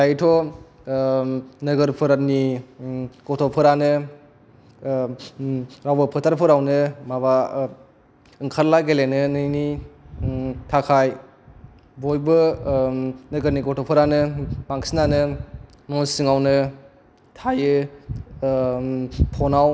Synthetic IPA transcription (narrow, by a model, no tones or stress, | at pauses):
dajtʰɔ | nɯɡɯɾpʰɯɾani | kɔtʰɔpʰɯɾanɯ | ɾawbɯpʰɯtʰaɾpʰɯɾawnɯmaβa | ɯŋkʰaɾlaɡelenɯnɯjni | tʰakʰaj | bɔjbɯ | nɯɡɯɾnikɔtʰɔpʰɯɾanɯmaŋsinanɯ | nɔnsiŋawnɯ | tʰajɯ | pʰɔnaw